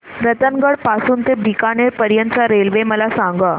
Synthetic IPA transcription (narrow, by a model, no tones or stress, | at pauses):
ɾət̪ənɡəɽpasuːnt̪ebʱikaɳ̃eɾpəɾjənt͡saɾelʋeməlasaŋɡə